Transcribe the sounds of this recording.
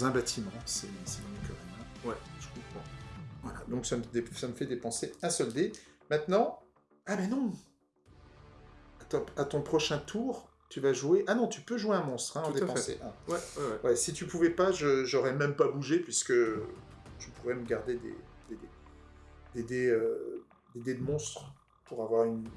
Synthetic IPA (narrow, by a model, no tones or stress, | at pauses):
ɛ̃bat̪ʰimɑ̃sɛsɛmɔ̃køʁɛmɛ̃wɛʒ̥ə̥kɔ̃pχɑ̃vwala̰d̪ɔ̃ksamd̪esaməfɛd̪epɑ̃seɛ̃sɔld̪emɛ̃t̪nɑ̃ | amɛnɔ̃ | at̪at̪ɔ̃pχɔʃɛ̃t̪ʰuːʁ | t̪yvaʒueʔanɔ̃t̪ypøʒweɛ̃mɔ̃st̪χɛ̃ɑ̃d̪epɑ̃sḛʔɛ̃wɛɛwɛsit̪ypuvɛpaʒəʒɔʁɛmɛmpabuʒepɥiskə | ʒ̥əpʰuʁɛməɡaʁd̪ed̪ḛd̪ed̪e | d̪̥ed̪eø | d̪ed̪ed̪əmɔ̃st̪χ | puʁavwaʁyn